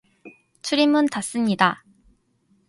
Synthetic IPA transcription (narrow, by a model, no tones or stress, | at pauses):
t͡ɕʰuɾimɯntas͈ɯmɲida